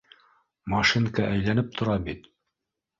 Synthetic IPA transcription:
mɑʃiŋkɑʔæjlænɘp̚t̪ʰŏɾɑbit̪

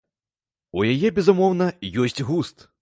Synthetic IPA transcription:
ujajɛbʲɛzumɔwnɐjɔsʲt͡sʲɣust̪

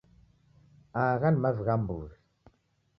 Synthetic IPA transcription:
aːɣanmazɣambṵɾ

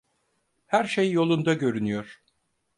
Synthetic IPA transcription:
hæɾʃejjo̞lˠund̪aɟø̞ɾynyjo̞ɾ̥

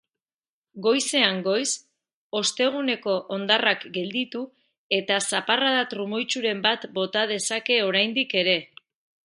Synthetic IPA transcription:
ɡo̞jse̞aŋɡo̞js | o̞st̪e̞ɣ̞une̞ko̞ʔond̪arakɡe̞ld̪it̪u | e̞t̪asaparaðat̪ɾumo̞jt͡ʃuɾe̞mbat̪bo̞t̪að̞e̞sake̞o̞ɾajnd̪ike̞ɾe̞

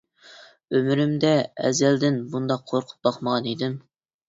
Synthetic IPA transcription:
ømyɾɪmd̪ɛɛ̰zɛld̪ɪnbund̪ɑqʰːoɾqʰʊ̥p̚bɑχməʁɑnid̪ɪm

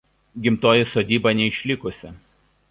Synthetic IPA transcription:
ɡʲɪmt̪oːjɪsoːd̪ʲiːbɐnʲɛɪʃʲlʲɪkʊsʲɪ

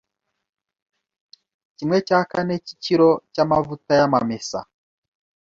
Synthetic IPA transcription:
cimwet͡ʃakaneci̥t͡ʃiɾocamavutajama̰mesa̰

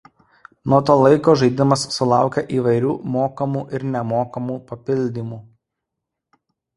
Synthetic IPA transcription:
nuɔt̪̬oːlˠɐɪkoːʒɐɪd̪ʲɪmɐsːʊlˠɑˑʊkʲɛʔiːʋɐɪɾʲuːmoːkɐmuːʔɪɾnʲɛmoːkɐmuːpɐpʲɪlʲd̪ʲimuː

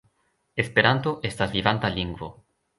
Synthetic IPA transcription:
espeɾant̪oʔest̪azliβant̪aliŋɡwo̰

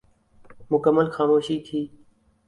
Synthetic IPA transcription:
mʊkəmːəlxaːmoːʃiːkʰiː

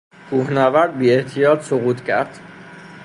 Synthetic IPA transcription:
kʰuːhnævæɾd̪̚biːet̪ʰijɒːt̪soɣuːt̪ʰcʰæ̰ɾd̪̥

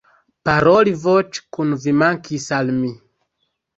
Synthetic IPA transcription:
paɾolivot͡ʃkunvimaŋkisalmi

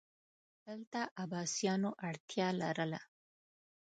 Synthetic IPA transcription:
d̪̥əlt̪aʔabɑsijɑnoʔaɽt̪jɑlaɾəla

